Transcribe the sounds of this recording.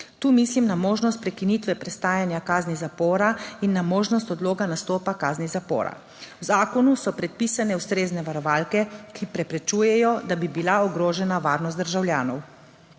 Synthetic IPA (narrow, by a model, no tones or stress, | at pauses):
t̪uːmislimnamoːʒnɔst̪̚pɾɛkinit̪ʋɛpɾɛst̪aːjanjakaːznizapoːɾainːamoːʒnɔst̪ɔd̪loːɡanast̪oːpakaːznizapo̰ːɾa̰ | wzaːkɔnusɔpɾɛt̪̚piːsanɛust̪ɾeːznɛʋaɾɔʋalkɛkʰipɾɛpɾɛt͡ʃuːjɛjɔd̪abibilaɔɡɾoːʒɛnaʋaːɾnɔst̪d̪əɾʒawlʲjaːnɔw